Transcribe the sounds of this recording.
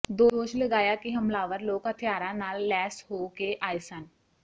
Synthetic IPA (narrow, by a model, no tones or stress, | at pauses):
d̪oːoːʃləɡaːjakiɦəmlaːʋəɾloːɡɦət̪ʰɪjaːɾãnaːlːɛːshoːkeʔaːjsən